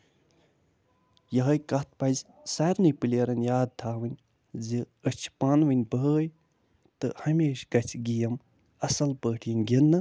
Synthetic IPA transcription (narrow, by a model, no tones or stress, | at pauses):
jɐɦɐjkɐt̪̚ʰpɐzʲ | saɾnɨjpɨlʲeɾɐnʲjaːd̪̚t̪ʰaːʋɨnʲ | zɨ | ət͡ʃʰpanʋɨnʲbəəj | t̪ɨhɐmʲeːʃkɐt͡ʃʰɡijɐm | ɐsɐlpəːʈʰjinʲɡʲinːɨ